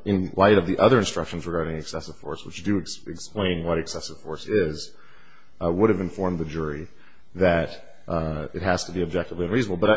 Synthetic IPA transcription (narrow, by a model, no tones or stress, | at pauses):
ɨ̃nlaɪɾʌvðiʔʌðə˞ɨ̃nstɹ̥ʌkʃn̩zɹɨɡɑɹɾɪ̃ŋɨksɛsɨv̥fɔ̰ɹswət͡ʃd̥ɨɨksplẽɪ̃nwʌɾɨksɛsɨv̥fɔɹsɪz | wʊɾɨvɨ̃ɱfɔɹmðɨd͡ʒʊɹi | ðɨɾ | ɨt̚ɦɨz̥tʰəbiɨb̚d͡ʒɛk̚təvliɨ̃nɹiznəbl̩ˠbʌɾ